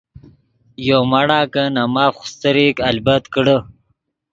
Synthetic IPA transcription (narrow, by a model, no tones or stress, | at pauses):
jomaɽaːkənamaːfxʊ̥st̪əɾikɐlbət̪kəɽə